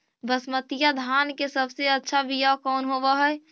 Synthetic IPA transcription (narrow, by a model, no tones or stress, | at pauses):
bəsmət̪ijad̪ʱankesəbseətːʃʰabʱijakɔːnɦoʋəɦəɛ